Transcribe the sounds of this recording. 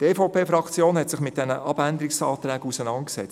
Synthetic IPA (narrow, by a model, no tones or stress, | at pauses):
teːfɔʊpʰeːfɾɑkʰt͡sjoːnhɛtsɪχmɪt̚d̥ɛnəʔɑb̥ænd̪əɾɪksɑːt̪ɾɛːɡusənɑntksɛ̰t͡s